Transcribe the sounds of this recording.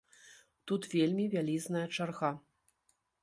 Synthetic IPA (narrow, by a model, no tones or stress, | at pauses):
t̪ut̪vʲelʲmʲivʲalʲiznɐjɐt͡ʂarɣa